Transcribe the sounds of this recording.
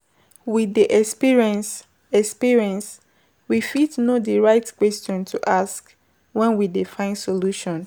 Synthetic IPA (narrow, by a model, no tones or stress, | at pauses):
widiʔɛspiɹ̃ns | ɛkspiɹiɛ̃ns | wifitnodiɹaɪtkwɛstɔ̃ntʰuʔask | wɛ̃nwidifãɪ̃nsoluʃɔ̃n